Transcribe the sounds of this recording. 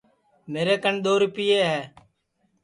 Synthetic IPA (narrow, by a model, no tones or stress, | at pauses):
meːɾeːkəɳɗ̪oːɾʊpɪjeːɦɛː